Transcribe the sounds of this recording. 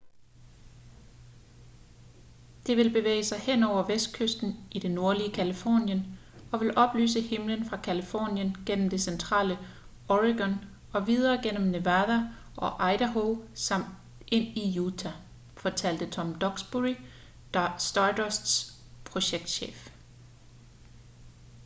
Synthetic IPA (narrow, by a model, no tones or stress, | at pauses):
d̥e̝ʋe̝lb̥e̝ʋḛːɪsɑ̈ɪhen̰ɒʊ̰ɐʋesd̥̚kʰøsd̥n̩ʔid̥eno̝ɐliəkʰælifɒ̰ːnjən | ɒ̽ʋe̝lʔɒ̽b̥ly̰ːsəhemlənfʁɑ̈kʰælifɒ̰ːnjənɡ̥en̰m̩d̥e̝sent͡sʰʁɑ̰̈ːlə | ɒʁiɡ̥ɒn | ɒ̽ʋið̞ˠɐːɡ̥en̰m̩ne̝ʋæðˠæ | ʔɒ̽ʔɑ̈ɪɾ̥æɦoʊsɑm̰d | ʔe̝n̰ijuːt͡sʰæ | fɒt͡sʰæl̰d̥ət͡sʰɒ̽md̥ɒ̽ɡ̥sb̥ui | sd̥ɑdɒsd̥s | pʰʁo̝ɕeɡ̥̚d̥ɕḛːf